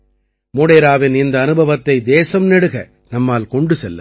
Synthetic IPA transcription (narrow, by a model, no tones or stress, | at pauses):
moːɽeːɾaːʋɪnɪnd̪ɐːnɯbʱɐʋɐt̪ːɐɪd̪eːsɐmnɛɽɯɣɐ | nɐmːaːlkɔɳɖɯsɛlːɐ̰